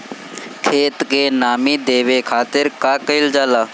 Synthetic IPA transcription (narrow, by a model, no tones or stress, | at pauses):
kʰeːt̪kenaːmiːd̪eːʋekʰaːt̪ɪɾkaːkəɪld͡ʒaːlaː